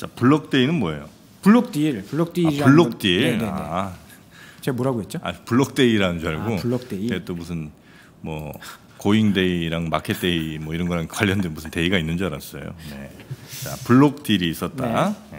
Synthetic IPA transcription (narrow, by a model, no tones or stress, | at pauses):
t͡ɕapuɭːʌk̚t͈e̞inɯnmoe̞jo | puɭːok̚t͈iɾpuɭːok̚t͈iiauɭːok̚t͈ieae | t͡ɕemoɾaɡoɦet̚t͡ɕoa̰puɭːʌk̚t͈e̞iɾanɯnd͡ʑaɭɡouɭːok̚t͈eiet͈omusʰɯn | mwʌ | koiŋde̞iɾaŋmakʰet͈̚e̞imwʌiɾʌnɡʌɾɦankkwaʎjːʌndemusʰɯnte̞iɡainːɯnd͡ʑaɾa̰s͈ʌ̰jo̰ne̞̰t͡ɕa̰puɭːok̚t͈iɾiːs͈ʌt̚t͈a̰